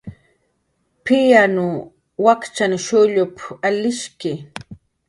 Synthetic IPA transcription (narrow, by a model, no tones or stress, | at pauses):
pɪjanʊ | wakt͡ʃanʃʊʎʊpalɪʃkɪ